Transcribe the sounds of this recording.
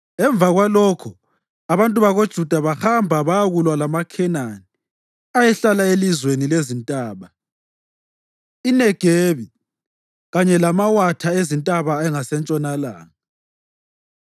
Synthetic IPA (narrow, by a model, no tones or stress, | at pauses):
ɛɱb̪vaɣwalɔkʰɔ | aβantʼuβaɣod̥ʒ̥ʱud̥ʱaβaxambʱaβajaɣulwalamakʰɛnani | ajɛɬalaelizwenilezintʼaːβa | inɛɡ̥ʱeβi | ɣaɲɛlamawatʰaezintʼaβaɛŋasɛnt͡ʃʼɔnala̰ːŋa